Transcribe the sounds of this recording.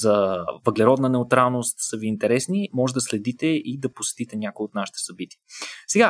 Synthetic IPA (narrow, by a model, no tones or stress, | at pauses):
zəvəɡlɛɾɔd̪nənɛʊt̪ɾalˠnost̪səviːnt̪ɛɾɛsnimɔʒɛd̪ɐslɛd̪it̪ɛid̪ɐposɛ̥t̪it̪ɛnʲjakoiot̪naʃi̥t̪ɛ̥sɐbit̪iəsɛɡa